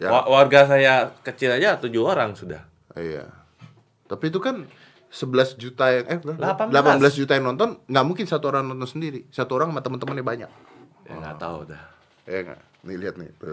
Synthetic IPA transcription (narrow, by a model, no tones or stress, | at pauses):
jaawarɡas̬ajakət͡ʃilad͡ʒat̪ud͡ʒuɦoɾaŋsuda̰h | ija̰ | t̪apiːt̪̬ukan | səbəlasd͡ʒut̪ajaŋʔadalapadlapabəlasd͡ʒut̪ajaŋnɔnt̪ɔnŋɡaʔmuŋkɪnsat̪uoɾaŋnɔnt̪ɔnsəndiɾisat̪uoɾaŋmat̪əmənt̪əmənabaɲa̰k̚ | ja̰ŋɡa̰t̪a̰ṵdah | jaŋɡa̰ʔ | niliɦat̪̚nɪ̰bə